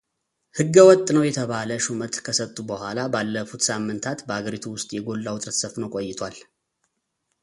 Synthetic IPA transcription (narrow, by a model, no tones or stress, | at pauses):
hɨɡːəwɔt̪ʼnəwjɛt̪ʰəβaləʃumət̪kʰəsət̪ʼːubəhʷalabalːəfut̪samːɨnt̪ʰat̪bəhaɡəɾit̪ʰuwʊst̪ʼjɛɡo̞lːawʊt̪ʼɾət̪səfnəwkʼojːɪt̪ʰwal